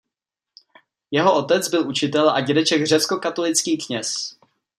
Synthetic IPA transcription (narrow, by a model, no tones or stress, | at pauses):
jɛɦo̞ʔot̪ɛt͡sbɪlʔut͡ʃɪt̪̬ɛlʔaɟɛdɛt͡ʃɛɡr̝ɛt͡sko̞kat̪o̞lɪt͡skiːkɲɛs